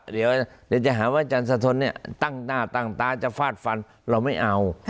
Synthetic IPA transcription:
di˨˦wd̪i˨˦wt͡ɕa˧˨ɦaː˩˦waː˥˩t͡ɕa˧ns̬a˧t̪ʰo˧nːi˥˩ɐt̪a˥˩ŋnaː˧˩t̪a˧˩ŋt̪aː˧t͡ɕa˧˨fʰaː˧˥˩t̪̚fa˧n | ɾa˧wma˥˩jʔa˧w

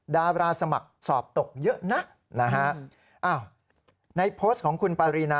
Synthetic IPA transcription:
daː˧ɾaː˧sa˧ma˨˩k̚sɔː˨˩p̚t̪o˨˩k̚jɤ˦˥ʔna˦˥ʔ | na˦˥kʰa˦˥ʔ | ʔaː˧˩w | na˧jpʰoː˦˥s̚kʰɔː˩˦ŋkʰu˧npaː˧ɾiː˧naː˧

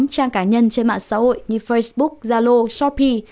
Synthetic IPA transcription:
mt͡ɕaː˧ŋkaː˧˩ɲə˧nt͡ɕe˧nma̰ː˧˨nsa̰ː˨˦ho̰˧˨jɲɨ˧˩fə˧jsɓʊ˦˥k̚zaː˧lo˧sɔ˦˥pʰi˧

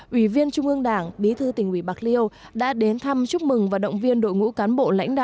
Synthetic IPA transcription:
ʔwi˧˩vi˧ənt͡ɕʊ˧ŋ͡mʔɨ˧əŋɗaː˧˩ŋɓi˨˦t̪ʰɨ˧t̪ï˨˩ŋ̟ʔwi˧˩ɓa˨˩k̚li˧əw | ɗa̰ː˧˥ɗe˨˦nt̪ʰa˧mt͡ɕʊ˦˥k͡p̚mɨ˨˩ŋvaː˨˩ɗə̰˧˨wŋ͡mvi˧ənɗo̰˧˨jŋṵ˧˥kaː˨˦nɓo̰˧˨la̰˧˥jŋ̟ɗa̰ː˧˨

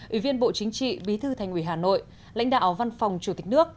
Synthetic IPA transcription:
ʔʔi˧˩vi˧ənɓo̰˧˨t͡ɕï˨˦ŋ̟t͡ɕḭ˧˨ɓi˨˦t̪ʰɨ˧t̪ʰa˨˩jŋ̟ʔwi˧˩ɦaː˨˩no̰˧˨j | la̰˧˥jŋ̟ɗa̰ː˧˨wva˧nfa˨˩wŋ͡mt͡ɕu˧˩t̪i˨˩nɨ˦˥ək̚

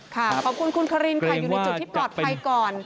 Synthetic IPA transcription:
kʰa˥˩kʰɔː˨˩kʰu˧nkʰu˧nkʰa˧ɾiː˧nkʰa˨˩˧uː˨˧t͡ɕu˨˩t̪ʰi˥˩˥plɔː˨˩t̪̚pa˧jkɔː˨˩n

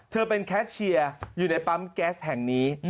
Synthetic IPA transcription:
t̪ʰɤː˧pe˧nkʰɛː˦˥t̪̚t͡ɕʰi˧ɐjuː˨˩na˦˥jpa˦˥mkɛː˦˥s̚hɛ˨˩ŋniː˦˥

